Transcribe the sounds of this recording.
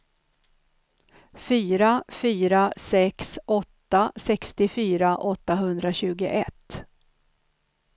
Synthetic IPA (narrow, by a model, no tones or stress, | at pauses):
fyːɾafyːɾasɛksɔt̪ːasɛkst̪ɪfyːɾaʔɔt̪ːaɦɵnd̪ɾaɕʉ̟ːɡʊʔɛt̪ː